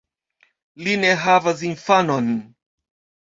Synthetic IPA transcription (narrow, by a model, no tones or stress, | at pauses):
linɛɦavaziɱfanɔn